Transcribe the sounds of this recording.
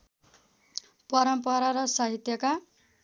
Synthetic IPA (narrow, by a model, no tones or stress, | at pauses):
pʌɾʌmpʌɾaɾʌsaɦit̪jʌka